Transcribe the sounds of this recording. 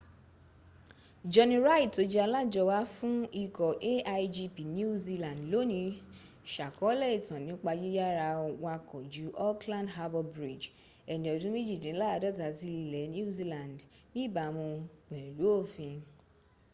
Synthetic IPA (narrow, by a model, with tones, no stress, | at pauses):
d͡ʒɔ˧nĩ˧ɾa˦i˦˨to˨˦d͡ʒɛ˦a˧la˦˨d͡ʒɔ˧wa˦fũ˦i˦˨kɔ˨ʔe˦a˧i˧d͡ʒi˧pi˨n˦u˦u˦zi˧lã˨ndlo˨˦nĩ˧ | ʃa˨kɔ˨˦lɛ˦˨i˦˨tã˨nĩ˨˦k͡pa˧d͡ʒi˦ja˦ɾa˧wa˧kɔ˨d͡ʒu˨˦ʔɔ˦klã˦ndɦa˧bɔ˧bɾi˨d͡ʒ | ɛ˨nɛ̃˨ɔ˨dũ˦me˦d͡ʒi˦˨dĩ˨˦la˦a˧dɔ˦˨ta˧˨ti˧li˧lɛ˨˦nĩ˦u˦zi˧lã˨ndnĩ˦˨ba˨mɔ̃˧ɡ͡bɛ˨lu˨˦o˦˨fĩ˧